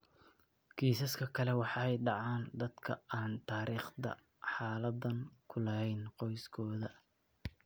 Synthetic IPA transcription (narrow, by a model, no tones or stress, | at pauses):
kʰiːsɐskʰɐkʰɐlɛwɑħɑɛjɖɑʕɑːnd̪ɐd̪kʰɐ̰aːnt̪ʰaːɾiːχd̪ɐ̰ | ħɑːlɐd̪ɐnkʰʊlɐɦɛjnqɔjskʰɔːðɐ